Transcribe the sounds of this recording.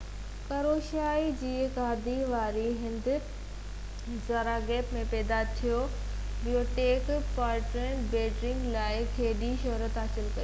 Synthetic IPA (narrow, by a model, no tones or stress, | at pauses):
kɐɾoːʃaːid͡ʑiːkaːd̪ʱiʋaːɾiɦɪ̃nd̪ɪ | zaːɾaɡɛːpmẽpɛːd̪at̪ʰijo | ɓijoʈeːkpaːʈɾənbɛːʈɾɪ̃ŋɡlaːɪkʰeːɗiʃɐɦɾət̪at͡ɕəlkɐjo